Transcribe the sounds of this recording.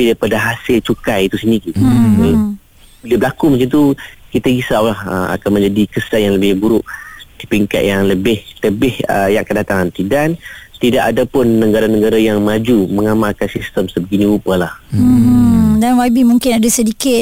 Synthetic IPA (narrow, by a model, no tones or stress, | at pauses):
apidajpadaɦasɪlt͡ʃukajit̪usiniki | biliabəlakuməɲt͡ʃant̪ukit̪əɡisawlahəma̰kanmə̃ɲd͡ʒadikəsanjaŋləbɪhbuɾʊʔd̥ipiŋka̰t̪̚jaŋləbɪhləbɪhə̰jaŋkədat̪aŋant̪idant̪idaʔadapʊnːəɡaɾanəɡaɾajaŋmad͡ʒuməŋamalkansist̪əmsəbəɡiniupalah̩ | danwabimũŋkɪnadasədikɪt̚